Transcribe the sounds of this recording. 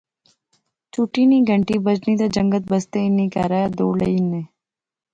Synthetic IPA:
t͡ʃuʈiːniɡʱəɳʈiːbəd͡ʒniːd̪ad͡ʒə̃ŋɡət̪̚bəst̪einĩːkaɾaad̪oːləiːneː

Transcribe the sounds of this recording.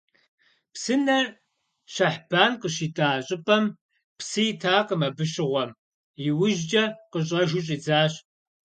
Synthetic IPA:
psɨnɐr | ʃɐħb̥aːnqəɕiːtʼaːɕʼɪpʼɐm | psɨjɪtʰaːqəmɐbɨɕɪʁʷɔm | jiwʊʒd͡ʒʼɐqəɕ̬ʼɐʒʊɕʼiːd͡zaːɕ

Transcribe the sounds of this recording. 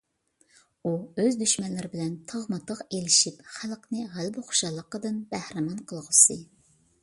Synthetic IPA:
uøzd̪yʃmɛnlɪɾɪbɪlɛnt̪ʰɑʁmɑt̪ʰəqelɪʃipχælˠqnɨʁælbɪχo̥ʃɑlˠːəqːəd̪ɨnbæhɾɪmɑnqʰəlˠʁəsɨ

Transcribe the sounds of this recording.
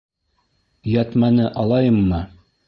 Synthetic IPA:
jɑt̪mɑnɤʔɑlˠɑjɤmːɤ

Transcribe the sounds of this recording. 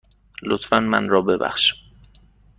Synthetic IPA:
lot̪fænmæ̰nrɒːbe̞bæ̰χʃi̥

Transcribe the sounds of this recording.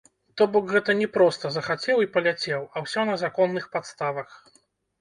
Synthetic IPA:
t̪ɔbɔkɣɛt̪ɐnʲɛpɾɔst̪ɐzɐxat͡sʲɛwipɐlʲat͡sʲɛwɐwsʲɔnɐzakɔnːɨxpat̪st̪avɐx

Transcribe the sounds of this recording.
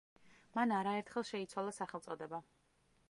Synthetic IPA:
manaɾaɛɾt̪ʰχɛlˠʃɛit̪sʰwalˠasaχɛlt̪sʼɔd̪ɛba

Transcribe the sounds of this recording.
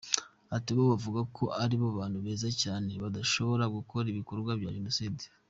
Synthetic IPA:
atiβoβavuɡakʰo̞ʔaɾiβaβaːnhuβe̞ːzacaːne̞βadaʃo̞βo̞ɾaɡukʰo̞ɾiβiko̞ɾɡwabja̰ʒenosidi̥

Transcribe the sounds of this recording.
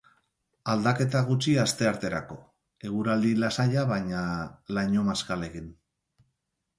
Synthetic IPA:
ald̪ake̞t̪aɣ̞ut͡ʃiast̪e̞aɾt̪e̞ɾako̞ | e̞ɣuɾald̪ilasaʎaβajɲalaɲo̞maskale̞ɣin

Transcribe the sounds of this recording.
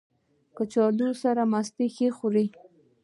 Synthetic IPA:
kət͡ʃɑd̪usaɾamast̪exexuɾi

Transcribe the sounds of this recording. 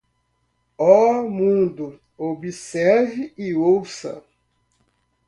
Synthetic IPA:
ɔmũd̪ʊ | obisɛɾviiowsɐ̰

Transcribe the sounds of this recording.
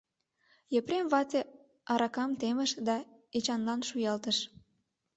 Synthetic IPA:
jepɾemβɑt̪ʲe | ɑɾɑkɑmt̪eməʃd̪ɑet͡ɕɑnlɑnʃujɑlt̪əʃ

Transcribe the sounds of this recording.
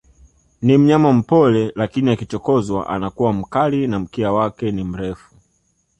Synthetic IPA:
nim̩ɲamam̩pɔlɛlakiniakit͡ʃɔkɔzwa̰ʔa̰nakuwam̩kalinam̩kɛawakɛnim̩ɾɛfu̥

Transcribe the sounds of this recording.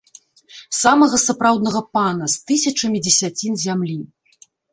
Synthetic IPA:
samɐɣɐsapɾawd̪nɐɣɐpanɐst̪ɨsʲɐt͡ʂɐmʲid͡zʲɛsʲat͡sʲinzʲamlʲi

